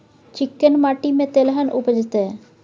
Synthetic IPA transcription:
t͡ʃikːənmaʈimẽt̪elɦənʔupəd͡ʒɪt̪e

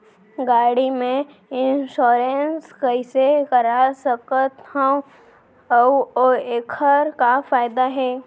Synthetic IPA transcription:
ɡaːɽimẽ | ɪnʃoːɾenskəɪsekəɾasəkət̪hõ | oeːkʰəɾkafaːɪd̪aɦɛː

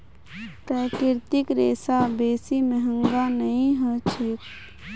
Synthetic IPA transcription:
pɾaːkɪɾt̪ɪkɾeːsabeːsimẽɦə̃ŋɡanəɦĩɦət͡ʃʰet̪

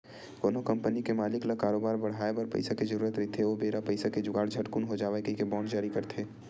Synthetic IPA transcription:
ɡ̪oːnokɐ̃mpənikemaːlɪklɐkaːɾoːbaːɾbɐɽ̤aːebəɾpɐ̰ɪsaked͡ʒəɾuːɾət̪ɾɪt̪ʰeʋobeːɾapɐɪsaked͡ʒʊɡaːɽd͡ʒʱɐʈkʊnɦod͡ʒaːʋekekebɔ̃ːɳɖd͡ʒaːɾikɐɾt̪ʰeː

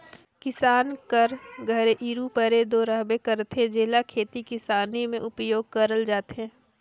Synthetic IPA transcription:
kɪsaːnkəɾɡʱəɾeʔiːɾupəɾed̪oːɾaɦbekəɾt̪ẽd͡ʒeːlakʰeːt̪ikɪsaːnimẽʔʊpjoːɡ̚kəɾəld͡ʒaːt̪eɦɛ̃ː

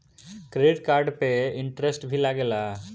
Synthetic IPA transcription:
kɾeɖiʈkaːɾɖpeiɳʈɾesʈbʱilaːɡɛlːɐ

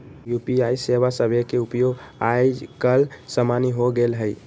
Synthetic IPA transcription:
jupiaiseβasəbʱekeupjoɡajd͡ʒkəlsəmaniɦoɡelɦəj

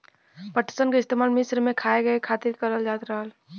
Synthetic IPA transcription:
pəʈi̥sənkeɪst̪emaːlmɪsɾmekʰaːeɡəekʰat̪ɪɾkəɾəld͡ʒaːt̪ɾəɦəl

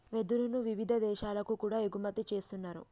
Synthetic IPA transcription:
ʋe̞d̪ulunuʋiʋid̪ʱɐd̪ɛːʃaːlɐkukuːɽaːeɡumɐt̪it͡ʃe̞ːst̪unːaːɾṵ

